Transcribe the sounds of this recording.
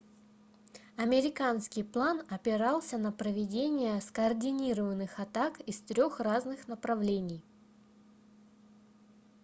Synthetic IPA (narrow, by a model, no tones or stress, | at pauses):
ɐmʲɪɾʲɪkanskʲɪjplˠanɐpʲɪɾalˠsʲənəpɾəvʲɪdʲenʲɪjəskəːrdʲɪnʲiɾəvənːɨxɐt̪akɪst̪ɾʲo̞xraznɨxnəpɾɐvlʲenʲɪj